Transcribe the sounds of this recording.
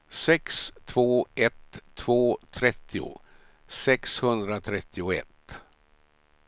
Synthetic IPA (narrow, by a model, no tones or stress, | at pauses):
sɛkst̪ʰvoːɛt̪ʰːv̥oːt̪ʰɾɛt̪ʰːɪʊ̰ | sɛkshɵnd̪ɾat̪ʰɾɛt̪ʰːɪʊɛ̰t̪